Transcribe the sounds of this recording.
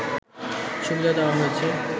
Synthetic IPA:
ʃubid̪ad̪awaɦojet͡ɕʰe

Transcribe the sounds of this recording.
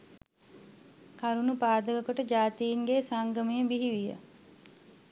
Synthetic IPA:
kaɾunupaːd̪əɡəkoʈəd͡ʒaːt̪ijiŋɡesaŋɡəmijəbiɦiʋijə̰

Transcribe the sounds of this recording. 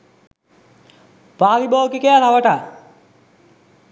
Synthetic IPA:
paːɾibɔːkikəjat̪aʋəʈa

